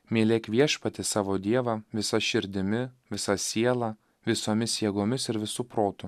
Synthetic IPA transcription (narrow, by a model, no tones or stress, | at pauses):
mʲiɛlʲeːkʋʲiɛʃpɐt̪ʲɪsɑːʋoːd̪ʲiɛʋɑʋʲɪsɐʃʲɪɾʲd̪ʲɪmʲɪʋʲɪsɐsʲiɛlˠɑ | ʋʲɪsoːmʲɪsjiɛɡoːmʲɪsɪɾʋʲɪsuːpɾoːt̪ʊ